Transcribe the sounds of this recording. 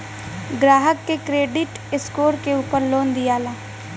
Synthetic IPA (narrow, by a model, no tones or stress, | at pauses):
ɡɾaːɦəkːekɾeːɖɪʈ | ɪskoːɾkeuːpəɾloːnd̪ɪjaːlaː